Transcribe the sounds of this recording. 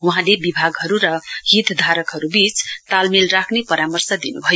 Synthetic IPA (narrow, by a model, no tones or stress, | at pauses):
uɦãlebibʱaɡɦʌɾuɾʌɦit̪ʰd̪ʱaɾʌkɦʌɾubit͡st̪almilrakʰnepʌɾamʌrsʌd̪inubʱʌjo